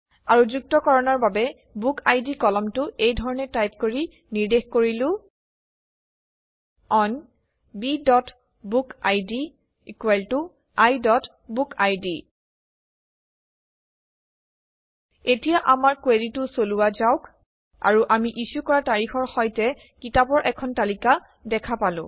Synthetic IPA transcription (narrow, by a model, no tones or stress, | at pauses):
aɹuzuk̚tɔkɔɹɔnɔɹbabɛ | bukajdikɔlɔmtʊʔejdʱɔɹɔnɛtajp̚koɹi | niɹdexkoɹilʊ̃ | ɔn | bidɔt | bukajdi | ikeltʊ | ajdɔt | bukʰajdi | etijaʔamaɹkweditʊsoluwazaʊk | a̰ɹuʔamiʔisukɔɹataɹixɔɹxɔjtɛ | kitapɔɹʔɛkʰɔntalika | dɛkʰapalʊ̰̃